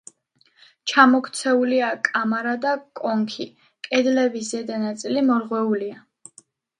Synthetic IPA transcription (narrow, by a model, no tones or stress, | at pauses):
t͡ʃʰamɔkʰt̪sʰɛuliakʼamaɾad̪akʼɔŋkʰi | kʼɛd̪lɛbis̬zɛd̪anat̪sʼilimɔɾʁwɛulia